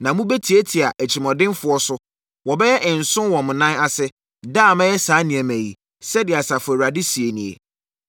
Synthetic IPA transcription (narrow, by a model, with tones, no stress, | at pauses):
nã˨mũ˦bɛ˦tʰi˨e˦tʰi˨a˨ʔæ˨t͡ɕʰi˨mɔ̃˨dɪ̃˦nfʊ˨˦ɔ˦sʊ˦ | wɔ˨bɛ˦jɛ˦ʔɪ̃˨n̩˨sʊ̃˦nwɔ̃˨mʊ̃˨nã˦na˨sɛ˦ | da˦˨mɛ̃˦jɛ˦saː˨˦nɪ̃˨æ˨mæ̃˨jḭ˨ | sɛ˦dɪ˨a˨sa˨fʊ˨e˨ɾa˨dɪ˦si˨e˨nĩ˨ḛ˨